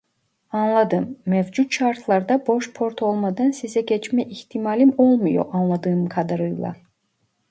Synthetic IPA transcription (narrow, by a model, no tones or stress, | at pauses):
ɑnlˠɑd̪ɯmːevd͡ʒut̪t͡ʃɑɾt̪ʰlˠɑɾd̪ɑbo̞ʃpʰo̞ɾt̪ʰo̞lˠmɑd̪ɑnsizɛɟɛt͡ʃmɛʔiht̪ʰimɑlʲimolˠmujo̰ʔɑnlˠɑd̪ɯːmkʰɑd̪ɯɾɯjlˠɑ̰